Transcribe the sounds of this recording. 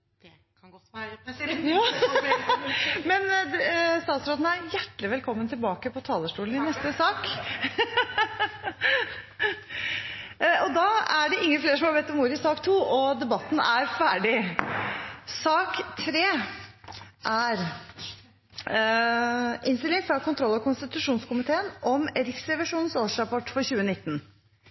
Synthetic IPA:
jɑː | mɛn | st̪ɑːt̪sɾoːd̪n̩æɾjæʈlɪʋɛlkʰɔmːənt̪ɪlbɑːkəpʰɔt̪ʰɑːləʂʈuːln̩ɪnɛst̪əsɑːk | ɔd̪ɑːæɖɛʔɪŋːəfleːɾʂɔmhɑɾbɛt̪ːɔmuːɾɪsɑːkt̪ʰuːʔɔd̪ɛbɑt̪ːn̩æɾfæːɖɪ | sɑːkt̪ʰɾeː | ʔæɾ | ʔɪnst̪ɪlɪŋfɾɑkʊnt̪ʰɾɔlːɑkʊnst̪ɪt̪ʉʂuːnskʊmɪt̪ʰeːənʔɔmɾɪksɾɛʋɪʂuːnnsoːʂɾɑpʰɔʈːfɔɾçʉːənɪt̪ːn̩

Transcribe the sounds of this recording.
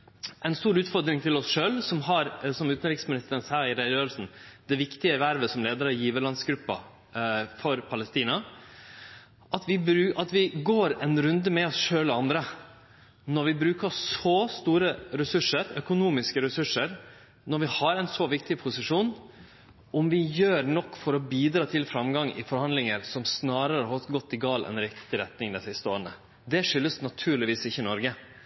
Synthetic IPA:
ʔɛɪnst̪uːɾʉːt̪fɔɾd̪ɾɪŋt̪ʰɪlɔsʂøːlsɔmɦɑɾsɔmʉːt̪ən̩ɾiːksmɪnɪst̪əɾənsæːɪɾɛɾøːlsn̩d̪ɛʋɪkt̪ɪəɛʋæɾʋəsɔmleːd̪əɾɑjiːʋəlɑnsɡɾʉpːɑ̰ | fɔɾpʰɑlɛst̪iːnɑ | ʔɑt̪ʋɪbɾʉʔɑt̪ʋɪɡoːɾɛnɾʉnd̪əmɛɔsʂøːlɔɑnd̪ɾə | nɔɾʋɪbɾʉːkəsɔst̪uːɾəɾɛsʉʂəɾœkʊnuːmɪskəɾɛsʉʂəɾ | nɔɾʋɪhɑɾɛɪnsɔʋɪkt̪ɪpʰʊsɪʂuːn | ʔɔmʋɪjøːɾnɔkːfɔɾɔbiːd̪ɾɑːt̪ʰɪlfɾɑmɡɑŋɪ̰fɔɾhɑnd̪lɪŋəɾsɔmsnɑːɾəɾəhɑt̪ɡɔt̪ːɪɡɑːlɛ̰nɾɪkt̪ɪɾɛt̪nɪŋd̪ɛsɪst̪əoːɾənə̰ | d̪ɛʂʏlːəsnɑt̪ʰʉːɾɭɪʋiːsɪçːənɔɾɡə

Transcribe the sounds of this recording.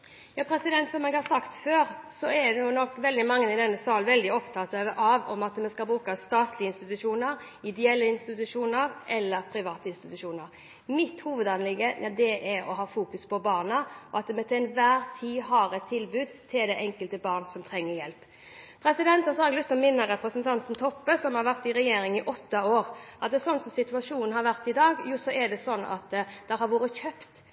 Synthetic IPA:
jɑːpʰɾɛsɪd̪ɛnt̪sɔmɛːɡhɑsɑkt̪føːɾsɔɛd̪ɛnuːnɔkːʋɛld̪ɪmɑŋːənɪd̪ɛnːəsɑːlʋɛld̪ɪɔpt̪ʰɑːt̪ɑʔɑʋɔmɑt̪mɛskɑlbɾʉːkɑst̪ɑːt̪lɪəɪnst̪ɪt̪ʉʂuːnəɾ | ɪd̪ɛɛlːəɪnst̪ɪt̪ʉʂuːnəɾʔɛlːəɾpʰɾɪʋɑːt̪əɪnst̪ɪt̪ʉʂuːnəɾ | mɪt̪huːʋəd̪ɑnlɪɡəɛd̪ɛʔɛɔ̰ɦɑːfuːkʉspʰɔbɑːʁnəʔɔɑt̪mɛt̪ʰnʋæːɾt̪ʰiːɦɑːɾɛt̪ʰːɪlbʉːd̪t̪ʰɪld̪æɪʔɛŋkəlt̪əbɑːʁnsɔmt̪ʰɾɛŋːəɾjɛlp | pʰɾɛsɪd̪ɛnt̪hɑsɔhɑɾɛɡlʏst̪ɔmɪnːəɾɛpɾəsənt̪ʰɑnt̪nt̪ʰɔpːəsɔmhɑɾʋæɾt̪ɪɾɛjeːɾɪŋɪʔɔt̪ːɑoːɾʔɑt̪̚d̪ɛsɔnsɔmsɪt̪ʉɑʂuːnn̩hɑɾʋæɾt̪ɪd̪ɑːɡjuːsɔʔɛd̪ɛsɔnːɑ̰t̪d̪̥ɛhɑɾʋoːɾəçœpt̪

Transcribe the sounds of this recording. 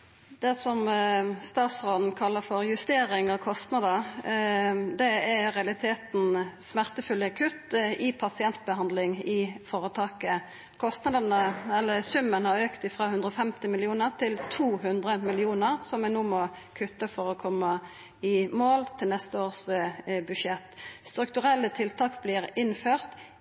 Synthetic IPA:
d̪̥ɛsɔmst̪ɑːt̪sʁoːd̪n̩kʰɑlːəfɔʁjʉst̪eːʁɪŋɔkʰɔst̪nɑd̪ə | d̪ɛæʁɛɑlɪt̪ʰeːt̪n̩smæʁt̪əfʉlːəkʰʉt̪ɪpʰɑsɪɛnt̪̚bəhɑnd̪lɪŋɪfoːʁət̪ʰɑːkə | kʰɔst̪nɑd̪ənəɛlːəsʉmːənhɑʁøːkt̪ɪfʁɑːhʉnd̪ʁəɔfɛmt̪ɪmɪlɪuːnəʁt̪ʰɪlt̪ʰuːɦʉnd̪ʁəmɪlɪuːnəʁsɔmɛnuːmɔ | kʰʉt̪ːəfɔʁɔkʰɔmːɑ | ɪmoːlt̪ʰɪlnɛst̪əoːʁsbʉʃɛt̪ːst̪ɾʉkt̪ʉʁɛlːət̪ʰɪlt̪ʰɑːkbliːʁɪnføːʁt̪

